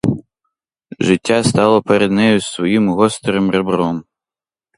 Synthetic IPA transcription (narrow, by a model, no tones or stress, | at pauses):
ʐɨtʲːast̪alˠɔpʰɛɾʲɛd̪nɛjusvɔjimɣɔst̪ɾɨmrɛbrɔm